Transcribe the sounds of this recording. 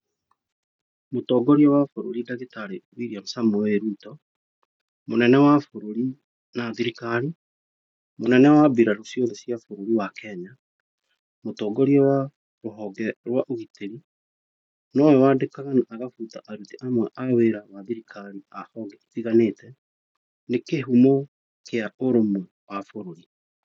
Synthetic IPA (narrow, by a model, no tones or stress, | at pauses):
motɔːɡɔɾjɔwafoɾoɾidaɣetaɾewiɾiam̩samɔeɾutɔ | monɛnɛwafoɾoɾi | naðiɾikaɾi | monɛnɛwabiɾaɾosjoðɛsjafoɾoɾiwakɛɲa | motɔɡɔɾjɔwa | ɾoɦɔɡɛɾwaʔoɣiteɾi | nɔwɛwadekaɣanaʔaɣafutaʔaɾutiʔamwɛʔaweɾawaðiɾikʰaɾiahɔɡɛitiɣaneːtɛ | nekeɦumo | kʰeaoɾomu | wafoɾoɾi